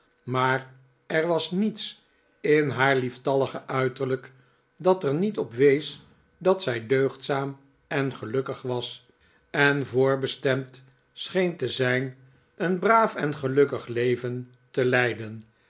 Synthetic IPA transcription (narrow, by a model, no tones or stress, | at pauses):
maːɹ | ɛɹʋɑsnits | ɪnɦaːɹliftɑləχəʔœɥtəɹlək | dɑtəɹnitɔpʋejs | dɑtsɛjdøɥχtsaːm | ɛnχəlɵkəχʋɑs | ɛnvʊːɹbəstɛmt | sχejntəzɛjn | ənbraːfɛnχəlɵkəχlejvən | təlɛjdən